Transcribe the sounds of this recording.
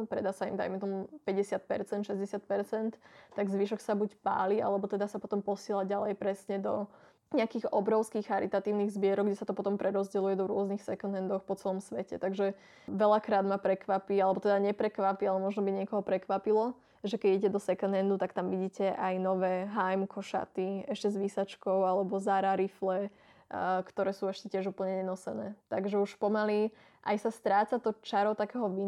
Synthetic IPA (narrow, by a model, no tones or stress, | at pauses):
pɾɛ̰d̪asaḭmd̪a̰jmɛt̪ɔmupɛɟɛsɪat̪̚pɛ̰ɾt͡sɛnt̪ʃɛzɟɛsɪat̪̚pɛɾt͡sɛnt̪ːaɡzʋiʃɔksabucpa̰ːlia̰lɛbɔt̪ɛd̪asapɔt̪ɔmpɔsɪɛlaɟalɛjpɾɛsɲɛd̪ɔ | ɲɛakiːɣɔbɾɔʊskiːxxaɾit̪at̪iːʊniɣzbɪɛɾɔɡɟɛsat̪ɔpɔt̪ɔmpɾʔɛɾɔzɟɛlujɛd̪ɔɾʊɔznixsɛkunɛnd̪ɔxpɔt͡sɛlɔmsʋɛcɛ̰t̪aɡʒɛ | ʋɛʎakɾaːd̪mapɾɛkʋapialɛbɔt̪ɛd̪aɲɛpɾɛkʋapialɛmɔʒnɔbiɲɪɛkɔɦɔpɾɛkʋapilɔ | ʒɛkɛɟiɟɛd̪ɔsɛkɛnɦɛnd̪ut̪akt̪amʋiɟiːcɛʔajnɔʋɛːɦajmkʰɔʃa̰t̪iɛʃcɛzʋisat͡ʃkɔʊalɛbɔzaɾaɾiflɛ | kt̪ɔɾɛːsuːɛʃcɛcɪɛʒupl̩ɲɛɲɛnɔsɛnɛːt̪aɡʒɛuʃpɔmali | ʔa̰jsast̪ɾaːt͡sat̪ɔt͡ʃaɾɔt̪akɛːɦɔʋi